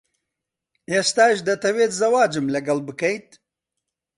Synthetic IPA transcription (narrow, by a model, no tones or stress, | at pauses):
eːst̪aːʃd̪ɐt̪ɐweːt̪zɐwaːd͡ʒɨmlɐɡɐlbɨkɐjt̪̚